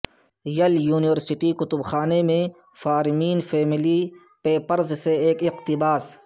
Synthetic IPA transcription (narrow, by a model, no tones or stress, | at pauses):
jɐljuːnɪʋəɾsɪʈikʊt̪ʊbxaːnemẽ | faːɾmiːnfeːmɪli | peːpəɾzseeːkɪqt̪ɪbaːs